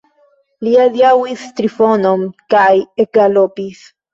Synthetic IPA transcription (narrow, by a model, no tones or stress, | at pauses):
liaðjawist̪ɾifonomkajekɡalopis